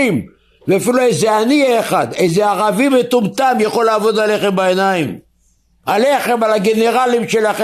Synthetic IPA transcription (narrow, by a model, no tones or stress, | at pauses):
im | veafiluejzeanieːχad̪ejzeaʁavimet̪umt̪amjaχo̞laːvo̞d̪ale̞χembaenaim | aleχe̞malaɡe̞ne̞ʁalimʃelaχ